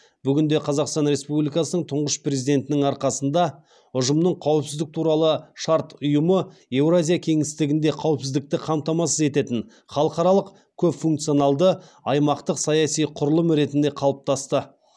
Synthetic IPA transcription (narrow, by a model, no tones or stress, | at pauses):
b̥ʏɡʲɪnd̪e̞qʰɑzɑqst̪ɑnɾe̞spublʲijkɑsənəɴt̪ʰʊɴʁəʃpre̞zid̪e̞nt̪ɪnɪŋɑɾqɑsənd̪ɑ | ʊʒəmnəɴqʰɑwəpsɪzd̪ɪk̚t̪ʰuɾɑlˠəʃɑɾt̪ʊjəməe̞wɾazʲijakʲʰe̞ŋɪst̪ɪɡʲɪnd̪e̞qʰɑwəpsɪzd̪ɪk̚t̪ɪqʰɑmt̪ɑmɑsəze̞t̪e̞t̪ɪn | χɑlˠəqɑɾɑlˠəq | kʲʰɵpfuŋk̚t̪sijonɑlˠd̪ə | ɑjmɑqt̪əqsɑjɑsijqʰʊɾlˠəmɾe̞t̪ɪnd̪e̞qʰɑlˠəp̚t̪ʰɑst̪ə